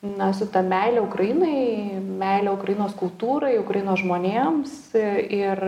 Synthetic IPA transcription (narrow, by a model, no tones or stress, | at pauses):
nɐsʊt̪ɐmʲɛɪlʲɛːʊkɾɐjinɐɪmʲɛɪlʲɛːʊkɾɐjinoːskʊlˠt̪uːɾɐɪʊkɾɐjɪnoːsʒmoːnʲeːmsɪr